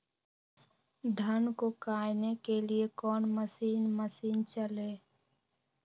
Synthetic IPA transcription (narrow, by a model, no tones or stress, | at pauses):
d̪ʱənkokaːjnekeliekɔːnməsiːnməsiːnt͡ʃəle